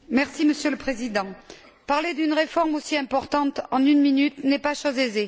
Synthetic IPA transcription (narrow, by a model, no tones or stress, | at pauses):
mɛʁsiməsjøləpχezid̪ɑ̃ | paʁled̪ynʁefɔʁmosiɛ̃pɔʁt̪ɑ̃t̪ɑ̃nynminyt̪nɛpaʃwazeze